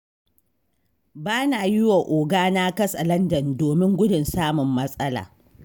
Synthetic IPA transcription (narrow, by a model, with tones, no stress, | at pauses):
baː˦na˨jɪ˦wa˨ʔoː˨ɡaː˦na˦kɐ˦sɐ˨lɐ˦ndɐ˨ndoː˨mɪ˦ŋɡʷʊ˦dʊ˨nsaː˦mʊ˨mːɐ˦sʼɐ˦la̰ː˨